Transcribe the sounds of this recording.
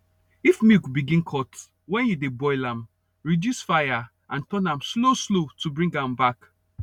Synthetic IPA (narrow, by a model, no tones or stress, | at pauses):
ifmikbiɡĩnkʰɔt | wɛ̃njudebɔɪlãm | ɹidjusfaja | ʔãntɔ̃nãmsloslotubɹĩŋɡãmbak